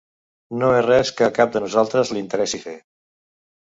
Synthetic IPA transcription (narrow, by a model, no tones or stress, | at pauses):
noerɛskəːkap̚d̪ənuzalˠt̪ɾəzlint̪əɾɛsife